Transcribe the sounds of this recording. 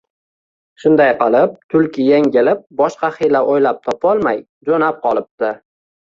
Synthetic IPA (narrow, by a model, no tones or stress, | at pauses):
ʃʊnd̪ajqɨlˠɪp̚t̪ʰʊlkʲʰɪjeŋɡʲɪlɪp̚bɒʃqɑχilaʔojlap̚t̪ʰɒpɒlˠmaj | d͡ʒonap̚qɒlˠɪp̚t̪ɪ